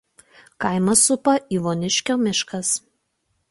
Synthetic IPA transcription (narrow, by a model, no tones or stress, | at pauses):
kɐɪmɐsʊpɐʔiːʋoːnʲɪʃʲkʲoːmʲɪʃkɐs